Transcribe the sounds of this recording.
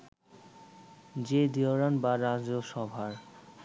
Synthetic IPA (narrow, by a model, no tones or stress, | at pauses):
d͡ʑed̪ioɾanbaɾad͡ʑoʃɔbʱaɾ